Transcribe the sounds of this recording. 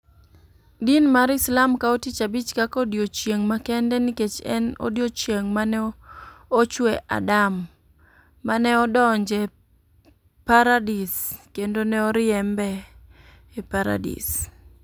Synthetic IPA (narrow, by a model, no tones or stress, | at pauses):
dinmaɾɪslamkaotit͡ʃabit͡ʃkakɔdjot͡ʃjeŋmakɛndɛniket͡ʃɛ̰no̰djot͡ʃjeŋmanɛ | ot͡ʃwɛʔa̰damː | anɛɔdɔɲd͡ʒɛ | paɾadiskendonɛɔɾɪɛmbɛː | paɾa̰dḭs